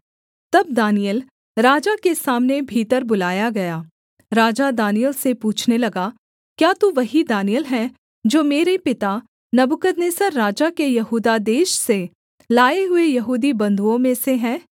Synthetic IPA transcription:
t̪ɐb̚d̪aːnijəl | ɾaːd͡ʒakesaːmnebʱiːt̪əɾbʊlaːjaɡɐjaː | ɾaːd͡ʒad̪aːnijəlsepuːt͡ʃʰnelɐɡa | kjaːt̪uʋɐɦid̪aːnijəlɦɛ̃ː | d͡ʒoːmeːɾepɪt̪a | nɐbʊkəd̪neːsəɾːaːd͡ʒakejɐɦuːd̪ad̪eːʃse | laːeɦʊejɐɦuːd̪ibɐ̃nd̪ʱuõmẽseɦɛ̃ː

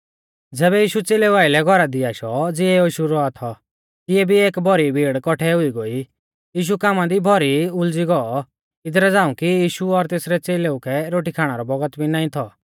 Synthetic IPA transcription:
d͡zɛːβɛjiːʃut͡seːleʋaːilɛɡʱɔɾad̪iaːʃɔd͡zɪɛoːʃuɾɔat̪ʰɔ | k̪ɪɛbʱieːkbʱɔɾibʱiːɽkɔʈʰɛɦʊiɡoi | jiːʃ̬ukaːmãd̪ibʱɔɾiʊld͡ziɡɔɔ | ɪd̪ɾɛd͡zãːũkijiːʃuɔɾt̪eːsɾɛt͡seːleukʰɛɾoːʈikʰaːɽ̃aɾɔbɔɡət̪bʱinaːĩt̪ʰɔ

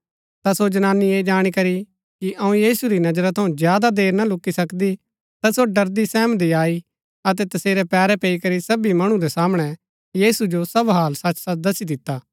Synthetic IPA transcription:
t̪asod͡ʒɐnaːnːieːd͡ʒaːɽ̃ikɐɾi | kiʔɐũjiːsuɾinɐd͡ʒɾat̪ʰɐũd͡ʒjaːd̪ad̪eːɾnalʊkːisɐkd̪i | t̪asoɖɐɾd̪isɛ̃ːmd̪iaːi | ɐt̪ɛt̪ɐseːɾɛpɛːɾɛpeːikɐɾisɐbimɐɽ̃ũd̪ɛsaːmɽ̃ɛ | jiːsud͡ʒosɐbɦaːlsɐt͡ʃsad̪ɐsid̪ɪt̪ːaː

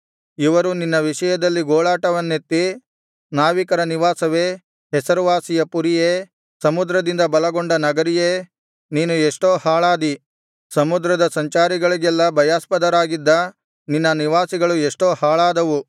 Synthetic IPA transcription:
iʋɐɾuninːɐʋiʂɐjɐd̪ɐlːiɡoːɭaːʈɐʋɐnːet̪ːi | naːʋikɐɾɐniʋaːsɐʋe̞ː | ɦɛsɐɾuʋaːsijɐpuɾije | sɐmud̪ɾɐd̪ind̪ɐbɐlɐɡoɳɖɐnɐɡɐɾijeː | niːnueʂʈoːhaːɭaːd̪i | sɐmud̪ɾɐd̪ɐsɐɲt͡ʃaːɾiɡɐɭiɡɛlːɐbʱɐjaːspɐd̪ɐɾaːɡid̪ːɐ | ninːɐniʋaːsiɡɐɭueʂʈo̞ːhaːɭaːd̪ɐʋu

